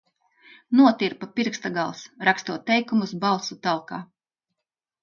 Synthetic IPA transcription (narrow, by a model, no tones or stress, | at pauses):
nuɔt̪iɾpapiɾkst̪aɡalˠsɾakst̪uɔt̪ːɛjkumusbalˠsut̪alˠkaː